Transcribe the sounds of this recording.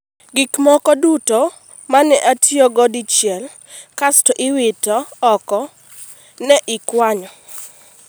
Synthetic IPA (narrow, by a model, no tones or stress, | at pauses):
ɡikmɔkɔdutɔ | manɛʔatʰjɔɡɔdit͡ʃjɛl | kastɔʔɪwɪtɔːkɔ | nɛʔɪkwaɲɔ